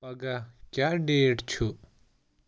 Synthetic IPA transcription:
bɐɡakjaɖeːʈt͡ʃʰu

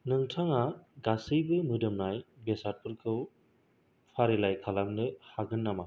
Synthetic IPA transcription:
nɯŋtʰaŋaɡasɯjbɯmɯdɯmnajbesat̚pʰɯɾkʰɯw | pʰaɾilajkʰalaŋnɯhaɡɯnːama

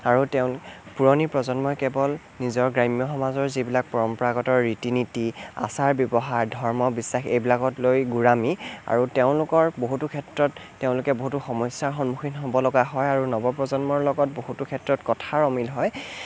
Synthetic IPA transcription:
aɹuteʊ̃lpuɹɔnipɹɔzɔnmɔjkɛbɔl | nizɔɹɡɹajmijɔxɔmazɔɹzibilak̚pɔɹɔmpɔɹaɡɔtɔɹːitinitia̰saɹbjɔbɔɦaɹdʱɔɹmɔbisːaxejbilakɔtlojɡuɹamia̰ɹuteʊ̃lʊkɔɹboɦutukʰɛtɹɔtːeʊ̃lʊkɛboɦutuxɔmɔjsjaɹxɔnmuxinɦɔbɔlɔɡaɦɔjaɹunɔbɔpɹɔzɔnmɔɹlɔɡɔt̚boɦutukʰɛtɹɔtkɔtʰaɹɔmilɦɔj

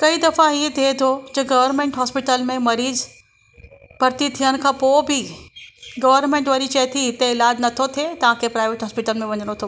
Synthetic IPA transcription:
kɐid̪ɐfãiẽt̪ʰiet̪ʰod͡ʑɐɡɐʋəɾnmẽːɳʈɦɔːspɪʈəlmẽmɐɾiːz | b̥ʱɐɾt̪it̪ʰijəñɪ̆kʰãːpoːbʱɪ | ɡɐʋəɾnmẽːɳʈʋɐɾiːzt͡ɕɐt̪ʰiɦɪt̪eɪlaːd͡ʑnɐt̪ʰot̪ʰet̪ɐʋ̤ãkʰepɾaːɪʋeːʈɦɔːspɪʈəlmẽʋɐɲəɽ̃ot̪ʰoː

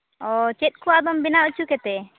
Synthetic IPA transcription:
ɔt͡ʃɛt̪̚ˀkʰuwad̪ɔmbinaut͡ʃukɛt̪ɛ

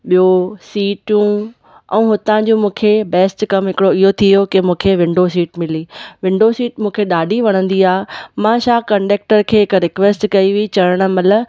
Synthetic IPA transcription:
ɓijosiːʈjũ | ɛ̰̃ːɦʊt̪ãd͡ʑũːmũːkʰebɛːsʈkɐmɦɪkɪɽoɪɦot̪ʰiɦokemũːkʰeʋɪ̃ɳɖos̬iːʈmɪliːʋɪ̃ɳɖoːsiːʈmũːkʰeɗaːɖʱiʋɐɽ̃ə̃nd̪iaːmãːʃaːkɐ̃ɳɖeːk̚ʈəɾkʰeːɦɪkɾɪkʋeːsʈkɐiʋit͡ɕɐɽəɽ̃ə̆mɐləb

